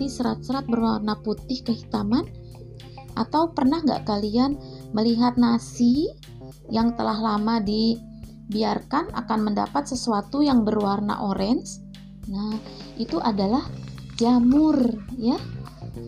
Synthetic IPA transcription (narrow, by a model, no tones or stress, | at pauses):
isəɾat̪̚səɾat̪̚bərwarnaput̪ɪhkəɦit̪aman | ʔa̰t̪awpərnahŋɡa̰ʔkalian | məliɦat̪̚nasi | jaŋt̪əlaɦlamadi | biarkana̰kanmənda̰pat̪̚səsuat̪ujaŋbərwarna̰ʔoɾʔɛns | na | ʔit̪uʔadalah | d͡ʒamʊrja